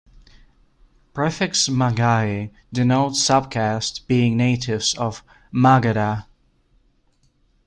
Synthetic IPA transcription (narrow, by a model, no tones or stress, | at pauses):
pʰɹ̥ɛfɛksmaɡai | dɨnoʊtsʌb̚kʰæstb̥iɪ̃ŋneɪɾɪvsʌv | maɡɨɾa